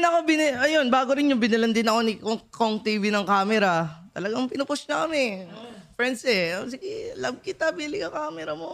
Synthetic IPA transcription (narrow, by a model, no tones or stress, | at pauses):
nɐkobɪnʔɐjo̞nbaːɡoɾɪnjʊŋbɪnɐlɐnd̪ɪnɐko̞nɪkokoŋt̪iːvɪnɐŋkaːmɛɾɐt̪ɐlɐɡɐŋpɪnʊpʊsnɐkɐmɪfɹɛnd̪sɛsɪɡɪlɐb̚kɪt̪abilɪɡɐŋkaːmɛɾɐmo